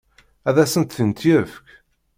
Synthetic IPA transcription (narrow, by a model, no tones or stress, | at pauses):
æðæsənt̪θənt̪jəfk